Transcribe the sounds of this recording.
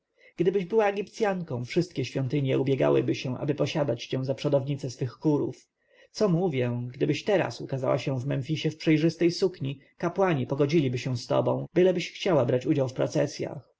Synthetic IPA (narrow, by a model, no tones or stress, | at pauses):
ɡ̥d̪ɘbɘʑbɘwaɛɡʲipt̪sʲjaŋkɔ̃w̃fʂɘst̪kʲɛɕfʲjɔnt̪ɘɲjɛubʲjɛɡa̰wɘ̰bɘɕɛ̃ʔa̰bɘpɔɕad̪at͡ɕt͡ɕɛw̃zapʂɔd̪ɔvɲit̪sɛsfɘxːuɾuf | t̪sɔmuvʲjɛɡd̪ɘbɘɕt̪ɛɾa̰sukaza̰wa̰ɕɛ̃vmɛnfʲiɕɛfpʂɛjʐɘst̪ɛjsukɲi | kapwaɲipɔɡɔd͡ʑilʲibɘɕɛw̃st̪ɔ̰bɔ̃w̃bɘlɛbɘɕxt͡ɕawabɾat͡ɕud͡ʑawfpɾɔ̰t̪sɛsʲja̰x